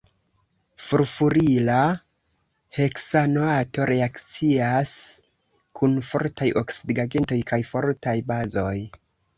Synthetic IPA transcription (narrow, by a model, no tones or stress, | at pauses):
fuɾfuɾila | he̞ksanoato̞ɾe̞akt͡sias | kʰunfo̞̰ɾtajʔo̞ksidɡaɡento̞jkʰajfo̞ɾtajbazo̞j